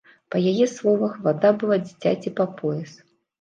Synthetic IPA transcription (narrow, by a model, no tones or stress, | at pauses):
pɐjajɛslˠɔvɐxvad̪abɨlˠad͡zʲit͡sʲa̰t͡sʲipapɔjɛs